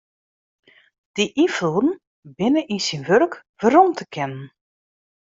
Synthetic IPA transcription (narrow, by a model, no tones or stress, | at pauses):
d̥iʔifludn̩ | bɪnəʔisinʋørk | ʋəɾɔmtʰəkʰɛnən